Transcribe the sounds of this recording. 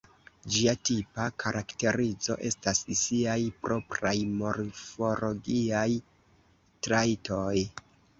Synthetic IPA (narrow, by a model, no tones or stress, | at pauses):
d͡ʒiatipakʰaɾʔakte̞ɾid͡zo̞̰ʔe̞stassiajpɾʔo̞pɾajmo̞ɾfoɾoɡiaj | tɾaitʰo̞j